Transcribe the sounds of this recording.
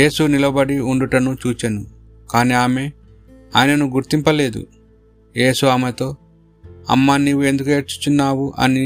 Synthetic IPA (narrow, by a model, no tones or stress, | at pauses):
je̞ːsunilɐbɐɽiuɳɖuʈɐnut͡ʃuːt͡ʃɐnu | kaːniːaːme̞ | a̰ːjɐnɐnuɡuɾt̪impɐle̞ːd̪ṵ | je̞ːsuaːmet̪o̞ː | ɐ̰mːaːnːiːʋue̞nd̪ukueɾt͡ʃu̥t͡ʃunːaːwuʔɐ̰ni